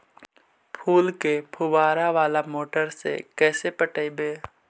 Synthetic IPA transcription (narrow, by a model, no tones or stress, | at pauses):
pʰuːlkepʰʊwaːɾaʋaːlamoːʈəɾsḛkɛːsepəʈəibeː